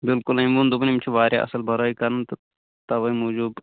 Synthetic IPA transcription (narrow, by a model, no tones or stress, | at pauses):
bɪlkʊlɐimʋund̪ubnimt͡ʃʰuʋaːɾja̰ːʔɐ̰səlbʱɐɾoːiːkɐɾnt̪ | t̪ɐʋɐmuːd͡ʒuːb